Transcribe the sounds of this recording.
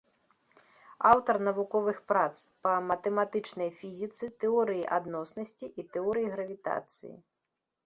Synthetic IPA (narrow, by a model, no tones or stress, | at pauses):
awt̪ɐrnɐvukɔvɨxpɾat̪spɐmɐt̪ɛmat̪ɨt͡ʂnɐjfʲizʲit̪sɨt̪ɛɔɾɨjiʔad̪nɔsnɐsʲt͡sʲiʔit̪ɛɔɾɨjiɣɾɐvʲit̪a̰t̪sɨ̰jḭ